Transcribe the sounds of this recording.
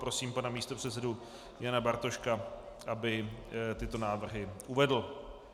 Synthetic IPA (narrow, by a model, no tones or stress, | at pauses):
pɾo̞siːmpanamiːst̪o̞pr̥ɛt̪sɛdu | janabaɾt̪o̞ʃka | ʔabɪt̪ɪt̪o̞naːvr̩ɦɪuvɛdl̩